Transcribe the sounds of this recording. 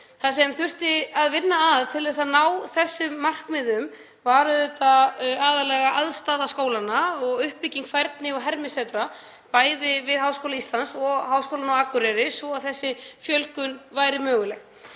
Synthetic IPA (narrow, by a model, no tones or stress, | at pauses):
θasɛmθʏr̥t̪ɪaðvɪnːaːðt̪ʰɪlɛs̬aðnawθɛsːʏmːar̥kmɪðʏm | vaːɾʏðɛt̪aaːðalɛɣaʔaðst̪aːðaskoːwlanːaɔɣʏhppicːiŋkfajɾt̪nɪɔɦɛɾmɪsɛt̪ɾa | paːjðɪvɪðɦawskowlaist̪lansɔɣɦawskowlanaakʏɾɛɾɪsvɔaðθɛsːɪfjœlkʏnvajɾɪmœːɣʏlɛx